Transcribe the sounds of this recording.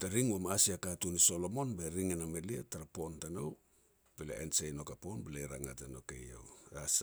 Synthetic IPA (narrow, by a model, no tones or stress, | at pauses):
taɾiŋwamaasiakatuniso̞lo̞mo̞nbeɾiŋenameliataɾapo̞ntanow | belḛʔensejno̞kaponbeleɾaŋatanokḛja̰as